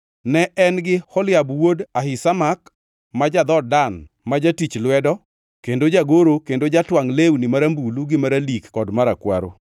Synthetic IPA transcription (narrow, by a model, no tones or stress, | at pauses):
nɛʔɛnɡɪhɔljabwodaɦɪsamak | mad͡ʒad̪ɔdan | mad͡ʒatit͡ʃlwɛdɔ | kendod͡ʒaɡoɾokendod͡ʒatwaŋlewnɪmaɾambuluɡɪmaɾalikːɔdmaɾakwa̰ɾo̰